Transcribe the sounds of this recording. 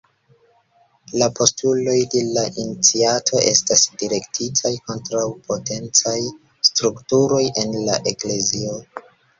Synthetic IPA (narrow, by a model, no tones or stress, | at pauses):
lapʰo̞stulo̞jdelaʔinit͡siatʰo̞ʔe̞stasdiɾe̞ktʰitʰajko̞ntɾawpʰo̞te̞nt͡saj | stɾuktuɾo̞jʔe̞nlaʔe̞kle̞zio